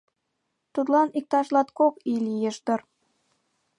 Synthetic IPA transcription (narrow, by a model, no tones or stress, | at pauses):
t̪ut̪lɑnik̚t̪ɑʃlɑt̪̚kokilʲijeʃd̪ɤ̆r